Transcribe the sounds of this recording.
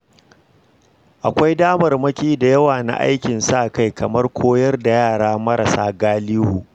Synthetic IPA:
ʔa˨kʷa˦jdaː˦mɐ˨rmɐ˦kʲiː˦da˨jɐ˦waː˨na̰˦˨ʔa̰˦jkʲɪ˨nsa˦ʔka˦jkʰɐ˨mɐ˦rkʷʰoː˦jɐ˦rda˨jaː˦˨ɽaː˦mɐ˦ɾa˨saː˦ɡaː˦liː˦huː˨

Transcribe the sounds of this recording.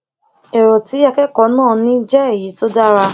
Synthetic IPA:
ɛ˨ɾɔ˨ti˨˦a˧kɛ˦kɔ˨˦nãː˦˨nĩ˦d͡ʒɛ˦e˦˨ji˨˦to˦da˦ɾa˧

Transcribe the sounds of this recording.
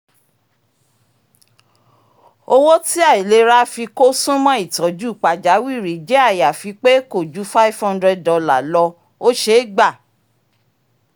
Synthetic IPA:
o˧wo˦ti˦a˦˨i˨le˧˦ɾa˦fi˧ko˦sũ˦mɔ̃˦i˦˨tɔ˨˦d͡ʒu˦˨k͡pa˨d͡ʒa˨˦wi˦˨ɾi˨˦d͡ʒe˦a˦˨ja˨fi˧k͡pe˦ko˦˨d͡ʒu˨˦fa˦i˦fhɔ̃˧ndɾɛ˧dɔ˧la˨lɔ˧ | o˦ʃe˧˦ɡ͡ba˦˨

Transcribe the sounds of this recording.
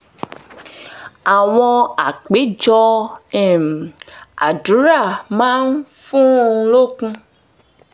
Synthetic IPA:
a˨w̃ɔ̃˧a˨k͡pe˨˦d͡ʒɔ˧ɛ˨m˨a̰˨du˨˦ɾa˦˨mã˦n˦fũ˦lo˦kũ˦

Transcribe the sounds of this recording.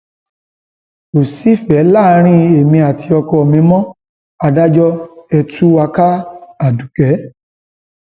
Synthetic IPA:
o˨si˨˦fɛ˨˦la˦˨˧ɾ̃ĩ˦e˨mĩ˧a˨ti˧ɔ˧kɔ˧˨mĩ˧˦mɔ̃˦ | a˧da˦d͡ʒɔ˦ɛ˧tʰu˦wa˧ka˦a˦˨du˨kɛ˨˦

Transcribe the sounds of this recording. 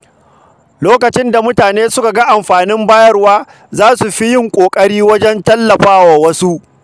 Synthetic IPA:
loː˦kɐ˨t͡ʃɪ˦nda˨mʊ˦taː˨neː˦sʊ˦ka˨ɡɐ˦ʔa˨mɸaː˨nɪ˦mbaː˦jɐ˦rwaː˦ | zaː˦su˨ɸi˦jɪ˦ŋkʷʼoː˨kʼɐ˦ɽiː˦wɐ˦d͡ʒɛ˦ntɐ˦lːɐ˨ɸaː˦waː˨wɐ˦su˦ʔ

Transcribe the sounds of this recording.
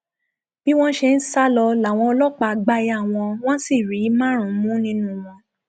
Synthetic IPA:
b̥i˦w̃ɔ̃˦ʃe˧n̩˦sa˦lɔ˧la˨w̃ɔ̃˧ɔ˧lɔ˦k͡pa˧ɡ͡ba˧ja˦˨w̃ɔ̃˧w̃ɔ̃˦si˦˨ɾi˨˦mã˦˨ɾ̃ũ˨˦mũ˦nĩ˦nũ˦w̃ɔ̃˧

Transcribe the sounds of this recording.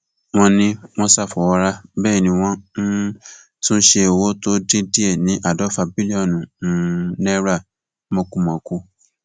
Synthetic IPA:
w̃ɔ̃˧nĩ˦w̃ɔ̃˦sa˦˨fɔ˨wɔ˧ɾa˦bɛː˦˨nĩ˧w̃ɔ̃˦ | tũ˦ʃe˧e˨wo˨˦to˦di˦di˦ɛ˦˨nĩ˨˦ʔa˦˨dɔ˨˦fa˧bi˦li˦ɔ˦˨nũ˨˦ | nɛ˦ɾa˦˨˦ | mo˧˦kũ˦˨mɔ̃˨kũ˧˦

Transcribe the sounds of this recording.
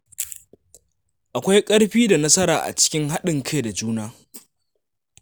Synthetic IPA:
ʔa˨kʷa˦jkʼɐ˦ɽɸiː˦da˨nɐ˦sɐ˦ɾaː˨ʔa̰˨t͡ʃɪ̥˦kʲɪ˦ŋɦa˦ɗɪ˨ŋkʰa˦jda˨d͡ʒuː˦naː˦

